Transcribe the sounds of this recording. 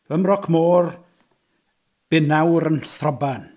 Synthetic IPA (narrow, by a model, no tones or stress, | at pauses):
vəmrɔkʰmoːr | b̥ɪnawɾənθrɔban